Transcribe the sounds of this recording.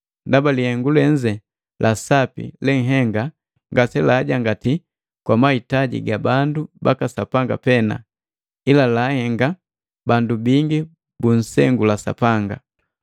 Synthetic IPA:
ndabalihɛŋɡulɛɲd͡ʒɛ | lʔasapḭlɛŋ̩ɦɛŋɡa | ŋɡasɛlaːɟaŋɡati | kwamahitaɟḭɡabanduba̰kasapaŋɡa̰pɛna̰ | ilalahɛŋɡa | bandubiŋɡi | bun̩sɛŋɡulasa̰paŋɡa

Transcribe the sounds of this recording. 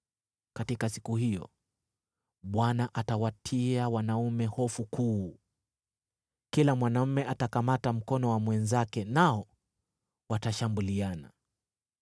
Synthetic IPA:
katikasi̥kuhijɔ̰ | ɓwanaʔatawatʰiawanaumɛhɔfukʰuː | kilamwanam̩mɛʔatakamatam̩kɔnɔwamwɛnzakɛnaɔ | wataʃambuliana̰

